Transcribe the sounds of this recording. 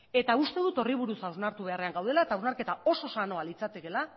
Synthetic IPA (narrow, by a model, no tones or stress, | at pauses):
e̞t̪aust̪e̞ð̞ut̪o̞riβ̞uɾusawznaɾt̪uβe̞are̞aŋɡawð̞e̞laet̪awznaɾke̞t̪ao̞so̞sano̞alit͡sat̪eke̞la